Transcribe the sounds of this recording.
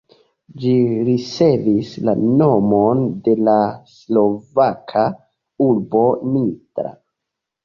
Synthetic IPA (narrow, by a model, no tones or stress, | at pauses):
d͡ʒiɾit͡se̞visla̰no̞monde̞laslo̞vakʰa | uɾbo̞nitɾa̰